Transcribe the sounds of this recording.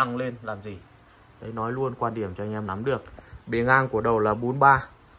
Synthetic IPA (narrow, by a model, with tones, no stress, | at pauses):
a˧ŋle˧nlaː˨˩mzi˨˩ | ɗə˨˦jnɔ˨˦jlu˧ənkwaː˧nɗi˧˩əmt͡ɕɔ˧ɛ˧ŋ̟ʔɛ˧mna˨˦mɗɨ˨˩ək̚ɓe˨˩nʔaː˧ŋku˧˩əɗə˨˩wlaː˨˩ɓo˨˦nɓaː˧